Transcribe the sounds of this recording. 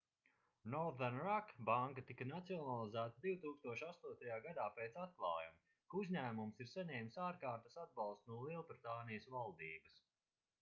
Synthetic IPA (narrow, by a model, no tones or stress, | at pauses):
nɔɾðanɾakbaŋkat̪ikanat̪siɔnalˠizæːt̪ad̪iwt̪uːkst̪uɔʃast̪uɔt̪ajaːɡad̪aːpeːt̪sat̪̚klˠɑ̰ːjam | kuzʲɲæːmumsiɾsaɲɛːmsaːɾkaːɾt̪ɐsad̪̚bɑlˠst̪nuɔlˠiɛlˠbɾit̪aːnijəsvalˠd̪iːbɐs